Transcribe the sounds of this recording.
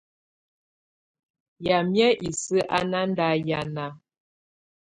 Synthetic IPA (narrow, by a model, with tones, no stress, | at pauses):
ja˨mjɛ˦ʔi˨sɨ˦ʔa˦na˦n˦da˦ja˨na˨